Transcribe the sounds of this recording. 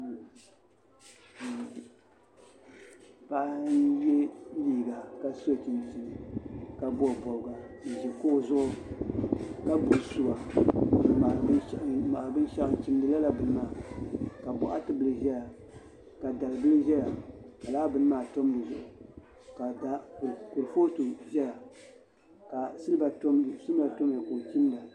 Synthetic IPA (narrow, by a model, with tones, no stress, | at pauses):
pa˦ʔnjɛ˦liː˦ɡa˨ka˦so˦˨t͡ʃi˨nti˨nɨ˨ka˨bɔ˦˨bɔ˨lɡa˨n̩˨ʒɛ˨ko˦˨zʊ˦ʔʊ˦ | ka˦bu˨su˨ɡa˨ | ma˨˦ma˨bɨ˦n˦ʃa˦ɨ˨n˨t͡ʃi˦m˦dɨ˨la˦la˨bɨ˨n˦maː˦˨ka˨bɔ˨ʔa˦tɨ˦bɨ˨lɨ˨ʒɛ˦ja˨ | ka˨da˨lɨ˨bɨ˦lɨ˦ʒɛ˦ja˨ka˨laː˦bɨ˦n˦maː˨to˦m˦dɨ˨zʊ̰˨ʔʊ˨ | ka˨da˨ku˨lfo˦to˨ʒɛ˦ja˨ | ka˨sɨ˦lba˨tm˨sɨ˦ba˨to˦m˦a˨ko˨ki˦m˦da˨